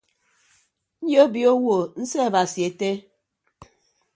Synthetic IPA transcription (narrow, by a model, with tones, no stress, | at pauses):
n̩˦jo˦bi˨o˦wo˨n̩˦se˦a˨ba˨sje˨te˦